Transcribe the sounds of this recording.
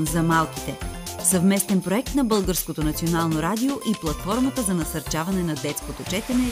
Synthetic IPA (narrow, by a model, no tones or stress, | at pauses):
nzɐmalˠki̥t̪ɛsɐvmɛst̪ɛnpɾoɛk̚t̪nɐbɤlˠɡəɾskot̪onɐt̪sionalˠnoɾad̪ioʔiplˠɐt̪fɔɾmɐt̪əzɐnɐsɐɾt͡ʃavɐnɛnɐd̪ɛt̪skot̪ot͡ʃɛt̪ɛnɛ